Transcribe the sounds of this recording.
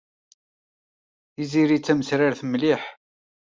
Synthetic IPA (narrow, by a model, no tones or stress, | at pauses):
iziɾit͡sːæməsɾaɾθmliħ